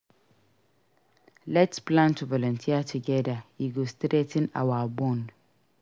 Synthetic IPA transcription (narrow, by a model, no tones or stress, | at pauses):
lɛtspʰlãntʰuvɔlɔ̃ntʰiatʰuɡɛdaiɡostɾetʰɪ̃na̰wabɔ̃n